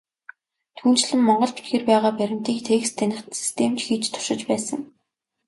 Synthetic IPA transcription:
t̪ʰuːnt͡ɕɮɘ̆mːɔɴɢɞ̆ɮpe̥t̪̚ɡĕrpæːʁaːpæɾʲɪ̆m̥t̪iːkt̪ʰeːkst̪ʰænʲɪ̆χt̪si̥st̪ʰeːmt͡ɕxiːt͡ɕt̪ʰʊ̥ʃɪ̆t͡ɕpæːsə̆ŋ

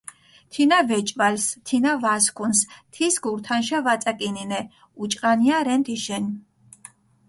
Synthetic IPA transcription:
t̪ʰinavɛt͡ʃʼvalst̪ʰinavaskʰunst̪ʰisɡuɾt̪ʰanʃavat̪sʼakʼininɛ | ut͡ʃʼqʼaniaɾɛnt̪ʰiʃɛn

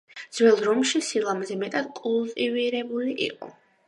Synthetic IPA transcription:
d̪z̥wɛlˠɾɔmʃisilˠamzɛmɛt̪ʼad̪̥̚kʼulˠt̪ʼiviɾɛbuliʔḭqʼɔ̰

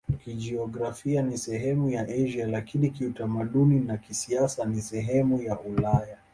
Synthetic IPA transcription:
kid͡ʒiɔɡɾafianisɛɦɛmujaʔaʒialakinikiutamaɗuninakisiasanisɛɦɛmujaʔulaja

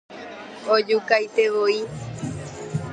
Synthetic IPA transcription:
od͡ʒukajt̪eʋoi

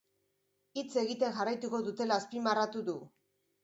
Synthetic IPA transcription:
it͡se̞ɣit̪e̞ŋʝarajt̪uko̞ðut̪e̞laːspimarat̪uðu

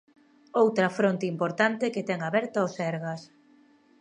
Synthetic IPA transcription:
owt̪ɾɐfɾont̪eimpoɾt̪ant̪eket̪ɛŋaβɛɾt̪aosɛɾɣas

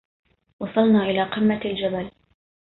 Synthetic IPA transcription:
wɑsˤɑlnɑːʔɪlaːqɪmːald͡ʒabal

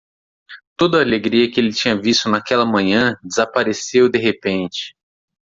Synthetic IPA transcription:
t̪od̪ʊaːleɡɾiɐkɪelɪt͡ʃĩɲɐvist̪ʊnakɛlɐmɐ̃ɲɐ̃d͡ʒezapaɾesewd̪eɦepẽnt͡ʃɪ̥

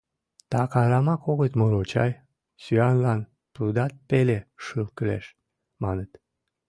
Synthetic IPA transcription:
t̪ɑkɑɾɑmɑkoɣət̪moɾot͡ɕɑj | syɑnlɑn | pɾud̪ɑt̪̚peleʃɨlkəlḛʃ | mɑnət̪

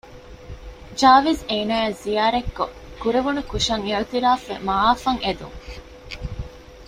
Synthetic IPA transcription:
d͡ʒaːʋezeːnaːezijaːɾekːo | kuɾeʋunukuʃɐŋeut̪iɾaːfʋemaaːfɐŋed̪ṵŋ

